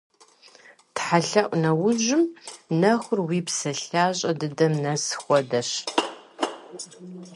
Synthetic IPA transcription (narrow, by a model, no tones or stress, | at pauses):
tħaɬɐʔʷʼnɐwʊʒʷɪmnɐxʷʊrwiːpsɐɬaːɕʼɐdɨdɐmnɐsxʷɔdɐɕ